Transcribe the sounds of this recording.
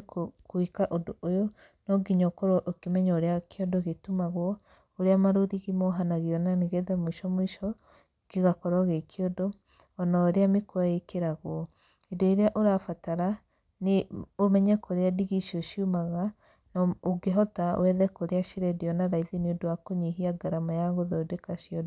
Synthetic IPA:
kokoikaʔodoʔojɔ | nɔɡiɲɔkoɾoʔokemɛɲaoɾeakʰeɔdɔɣetumaɣwɔ | oɾeamaɾoɾiɣimɔɦanaɣeɔnaneɣɛðɛmoiʃɔmwiʃɔ | keɣakɔɾɔɣekʰiɔdɔː | naoɾeamekwaekeɾaɣwɔ | edɔiɾeaʔoɾafataɾa | neomɛɲɛkoɾeadiɣiʃioʃiumaɣa | nɔoɡeɦɔtawɛðɛkoɾeaʃiɾɛdiɔnaɾaiðeniodowakoɲiɦiaɡaɾamajaɣoðɔdekaʃiɔd

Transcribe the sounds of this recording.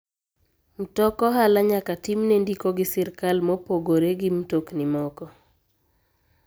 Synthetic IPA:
m̩tɔkɔɦalaɲakatimnendikoɡɪsɪɾkalmopoɡoɾeɡɪmtoknɪmɔkɔ

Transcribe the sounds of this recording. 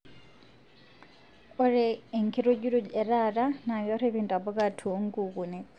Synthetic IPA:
oɾeːŋkiɾoɟiɾueɾaɾanaβjoɾeβiːntʼaboɡatʰuŋɡuɣune

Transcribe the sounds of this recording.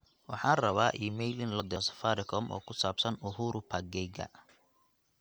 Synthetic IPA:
wɑħɑːrɐβaːʔiːmɛjlɪnlɔd̪ɛsɐ̥faːɾɪkʰɔmʔɔ̰ːkʰʊsaːbsɐnʊɦuːɾʊpʰaɡɛjɡɐ̰

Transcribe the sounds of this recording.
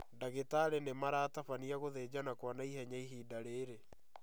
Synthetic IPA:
daɣetaɾenemaɾaːtafaniaɣoðeːd͡ʑanakwanaiɦɛɲaiɦiːdaɾeːɾe

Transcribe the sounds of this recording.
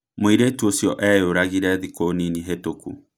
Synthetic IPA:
moiɾetuosjɔʔɛjoɾaɣiɾɛðikoniniɦetokṵ

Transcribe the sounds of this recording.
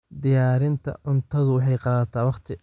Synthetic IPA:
d̪ɪjaːɾɪnt̪ʰɐ̰ʕʊnt̪ʰɐðʊwɑħɑjqɑːðɐt̪ʰaːwɑqt̪ʰɪ

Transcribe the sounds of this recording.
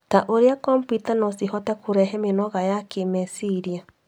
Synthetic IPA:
taʔoɾeakɔmpitanɔsihɔtɛkʰuɾɛɦɛmenɔɣajakʰemɛsiɾia

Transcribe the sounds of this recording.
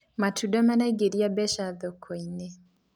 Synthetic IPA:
matʰudɔmanaiɡeɾiabɛʃaðokʰoine

